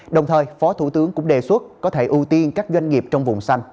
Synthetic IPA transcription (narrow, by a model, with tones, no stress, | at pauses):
ɗə˨˩wŋ͡mt̪ʰəː˨˩jfɔ˨˦t̪ʰu˧˩t̪ɨ˨˦əŋkʊ̰˧˥ŋ͡mɗe˨˩swə˦˥t̚kɔ˨˦t̪ʰe˧˩ʔu˧t̪i˧nkaː˦˥k̚zwa˧jŋ̟ŋi˨˩əp̚t͡ɕɔ˧wŋ͡mvʊ̰˨˩ŋ͡msa˧jŋ̟